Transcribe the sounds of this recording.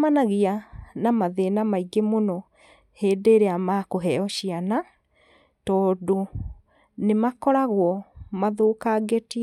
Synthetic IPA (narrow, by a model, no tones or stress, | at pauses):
manaɣianamaðenamaiɡemonɔ | heːdeːɾeamakoɦɛɔɕiana | tɔːdo | nemakɔɾaɣwɔmaðoːkaɡeti